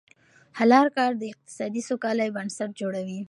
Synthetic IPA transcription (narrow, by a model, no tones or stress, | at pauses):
halɑɾkɑɾd̪əɪq̚t̪ɪ̥sɑd̪isokɑlajbənsaʈ̚d͡ʒoɽawi